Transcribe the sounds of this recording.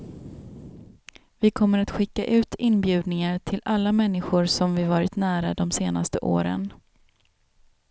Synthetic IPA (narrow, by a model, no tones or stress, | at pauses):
vɪkʰɔmːəɾat̪ɧɪkːaʔʉ̟ːt̪ɪnːbjʉ̟ːd̪nɪŋaʈʰɪlʔalːamɛn̪ːɪɧʊɾsɔmvɪvɑːɾɪt̪næːɾad̪ɔmseːnast̪əʔo̰ːɾə̰n